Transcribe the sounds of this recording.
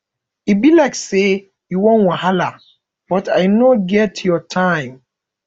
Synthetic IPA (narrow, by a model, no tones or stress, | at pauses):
ibilaɪkse | juwõnwãɦala | b̥ɔtajnoɡɛtʰjɔtʰãɪ̃m